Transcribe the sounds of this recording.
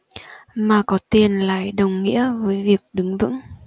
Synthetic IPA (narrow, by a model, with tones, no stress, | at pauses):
maː˨˩kɔ˨˦t̪i˨˩ənla̰ː˧˨jɗə˨˩wŋ͡mŋḭ˧˥əvəː˨˦jvi˨˩ək̚ɗɨ˨˦ŋvɨ̰˧˥ŋ